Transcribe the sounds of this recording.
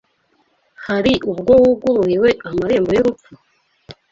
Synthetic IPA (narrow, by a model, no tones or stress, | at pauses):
haɾiʔubɡo̞wuɡuɾujiwe̞amaɾe̞ːmbo̞joɾup͡fu